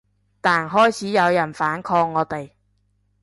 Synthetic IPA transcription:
t̪aː˨nɦɔː˥jt͡sʰiː˨˥jɐ˨˧wjɐ˨˩nfaː˨˥nkʰɔː˧ŋːɔː˨˧t̪e˨j

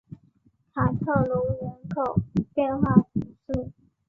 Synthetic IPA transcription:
t̪ʰa˧˥t̪ʰɤ˥˩lu˧˥ɻə˧˥nkʰo˨˩ʊpjɛ˥˧nxwa˥˩tu˨˥˩ʂ̩˥˩

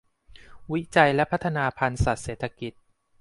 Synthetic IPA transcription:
wi˦˥t͡ɕa˧jlɛ˦˥pʰa˦˥t̪ʰːa˧naː˧pʰa˧nsa˨˩t̪̚seː˨˩t̪ʰːa˧ki˨˩t̪̚

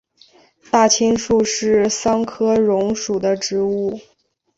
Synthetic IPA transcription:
t̪a˥˩t͡ɕʰi˥ŋʂu˥˧ʂɻ̩˥˩sɑ˥ŋkʰɤ˥ɻʊ˧˥ŋʂu˨˩d̪ə˦ʈ͡ʂɻ̩˧˥u˥˩

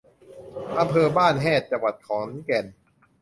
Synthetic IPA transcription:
ʔa˧mpʰɤː˧baː˥˩nɦɛː˥˩t̪̚t͡ɕa˧˩wa˨˩t̪̚kʰɔː˩˦nkɛ˨˩n

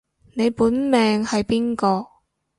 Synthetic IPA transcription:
ne˨˧jpuː˨˥nmɛː˨ŋhɐ˨jpiː˥nkɔː˧

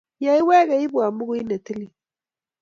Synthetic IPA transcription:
ja˨i˦we˦ɣa˨i˦bu˨a˨mu˦ɡu˦i˦na˨ti˦li˨

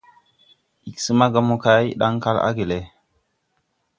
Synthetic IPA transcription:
i˨ksə˦ma˦ɡa˦mu˦ka˦jɗa˦ŋka˦la̰˦ɡe˨le˨

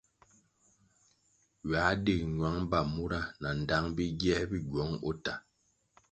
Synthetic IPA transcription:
ɥa˨˦de˦˨k̚ɲwa˨˦ŋba˦˨mu˦ɾa˦˨na˨n̩˨da˦ŋbi˦ɡɛ˦bi˦ɡɔ˨˦ŋo̰˦ta˨

